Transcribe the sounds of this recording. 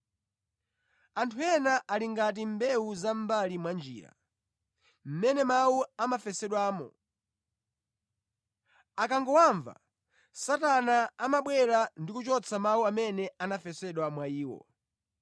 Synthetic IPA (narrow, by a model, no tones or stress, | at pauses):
antʰuɛnaʔaliŋɡat̬imbɛwuzambalimwand͡ʒḭːɾa̰ | m̩mɛnɛmawuamafɛsɛɗwaːmɔ̰ | akaŋɡɔwaɱva̰ | satanaamaɓwɛɾandikut͡ʃɔt͡sʰamauamɛnɛanafɛsɛɗwamwaiːwɔ̰